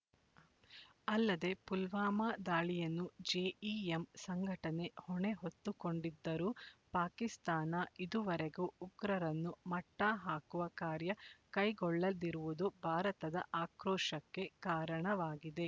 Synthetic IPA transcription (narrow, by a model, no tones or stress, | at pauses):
ɐlːɐd̪e̞pulʋaːmaːd̪aːɭijɐnːud͡ʒeːiemsɐŋɡʱɐʈɐne̞hɔɳe̞ɦot̪ːukoɳɖid̪ːɐɾuːpaːkist̪aːnɐid̪uʋɐɾeɡuːɡɾɐɾɐnːumɐʈːaɦaːkuʋɐkaːɾjɐkɐjɡɔɭːɐliɾuʋud̪ubʱaːɾɐt̪ɐd̪ɐʔaːkɾɔːʂɐkːe̞kaːɾɐɳɐʋaːɡid̪e̞